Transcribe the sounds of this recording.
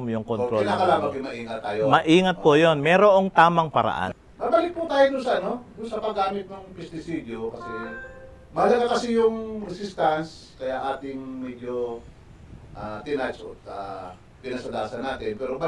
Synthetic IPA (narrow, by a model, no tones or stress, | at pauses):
mjʊŋkoɾonakɐlaːmɐŋkɪmɐʔiːŋɐt̪ːaːjomɐʔiːŋɐt̪̚kojonmɛːɾoʔoŋt̪aːmɐŋpɐɾa̰ʔa̰n | baːbɐlɪk̚put̪aːjod̪ʊnsɐʔɐno̞d̪ʊnsɐpɐɡaːmɪt̪̚nɐŋpɛst̪ɪsiːd̪okɐsɛ | mɐhɐlɐɡakɐsɪjʊŋɾɛsɪst̪ans | kɐjaʔaːt̪ɪŋmɛɡ̪jo | ʔaːt̪ɪnat͡ʃʔo̰t̪a | pɪnɐsɐd̪aːsɐnaːt̪ɪnpɛːɾob